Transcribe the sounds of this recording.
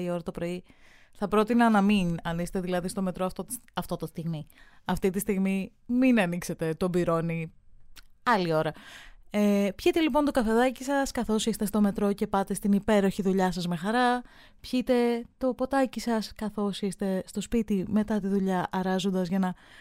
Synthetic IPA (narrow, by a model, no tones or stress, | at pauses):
io̞ɾɐt̪opɾo̞i | θɐpɾo̞t̪inɐnɐminɐniksst̪eðilɐðist̪o̞me̞t̪ɾoɐft̪ot̪ɐft̪o̞t̪ost̪iɣmiɐft̪it̪ist̪iɣmi | minɐnikse̞t̪e̞t̪o̞biɾo̞ni | ɐlio̞ɾɐepçit̪e̞lipo̞nt̪okɐfe̞ðɐcisɐskɐθo̞sist̪e̞st̪o̞me̞t̪ɾo̞ce̞pɐt̪e̞st̪inipe̞ɾo̞çiðuʎɐsɐzme̞xɐɾɐ | pçit̪e̞t̪o̞po̞t̪ɐcisɐskɐθo̞sist̪e̞st̪o̞spit̪ime̞t̪ɐt̪iðuʎɐʔɐɾɐzo̞nd̪ɐzʝɐnɐ